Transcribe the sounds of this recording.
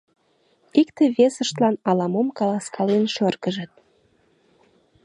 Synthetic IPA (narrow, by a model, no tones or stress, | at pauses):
ikt̪eβesəʃt̪lɑnɑlɑmomkɑlɑskɑlenʃørkəʒət̪̚